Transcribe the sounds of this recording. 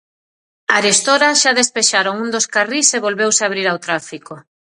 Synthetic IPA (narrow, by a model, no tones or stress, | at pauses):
aɾest̪oɾaʃaðespeʃaɾoŋund̪oskariseβolβewseaβɾiɾawt̪ɾafiko